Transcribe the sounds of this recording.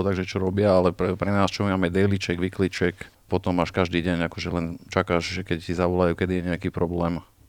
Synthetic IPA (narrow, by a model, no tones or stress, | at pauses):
ɔt̪aɡʒɛt͡ʃɔɾɔbɪaalɛpɾɛpɾɛnaːst͡ʃɔmimamɛd̪ɛjlit͡ʃɛɡʋiklit͡ʃɛk | pɔt̪ɔmaʃkaʒd̪iːɟɛɲakɔʒɛlɛnt͡ʃakaːʒʒɛkɛctizaʋɔlajuːkɛd̪ijɛɲɛakiːpɾɔblɛːm